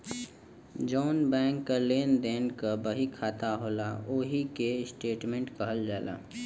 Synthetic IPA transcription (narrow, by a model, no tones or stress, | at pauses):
d͡ʒɔːnbɛ̃ːŋkːəleːnd̪eːnkabəɦikʰaːt̪aɦoːla̰oːɦikesʈeːʈmẽːɳʈkəɦəld͡ʒaːla̰ː